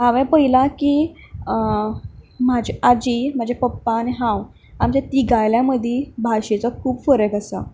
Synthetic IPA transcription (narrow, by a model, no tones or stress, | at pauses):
ɦãʋɛ̃pəilakiː | mad͡ʑʱead͡ʑim̤ad͡ʑʱepəpːaniɦãw | amt͡ɕjat̪iɡajljãməd̪ʱjebʱaɕet͡sɔkʰuːbfəɾəɡasa̰